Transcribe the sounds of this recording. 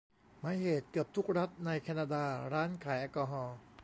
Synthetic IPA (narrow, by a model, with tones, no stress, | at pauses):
maː˩˦jheː˨˩t̪̚kɯ˨˩əp̚t̪ʰu˦˥k̚ɾa˦˥t̪̚na˧jkʰɛː˧naː˧daː˧ɾaː˦˥nkʰaː˩˦jʔaː˧kɔː˧ɦɔː˧